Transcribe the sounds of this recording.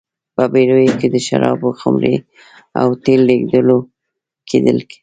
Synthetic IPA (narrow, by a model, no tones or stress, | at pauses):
pəbeɾojoked̪əʃa̰ɾɑboxʊmɾe | a̰wt̪elːeɡd̪əlo | kʰed̪əlki̥